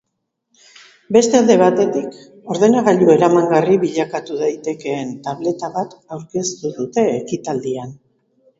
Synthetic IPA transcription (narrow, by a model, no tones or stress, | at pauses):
be̞st̪eald̪e̞β̞at̪e̞t̪ik | o̞ɾðe̞naɣaʎue̞ɾamaŋɡariβiʎakat̪uðajt̪e̞ke̞ːnt̪aβle̞t̪aβat̪awɾke̞st̪uðut̪e̞ːkit̪ald̪ian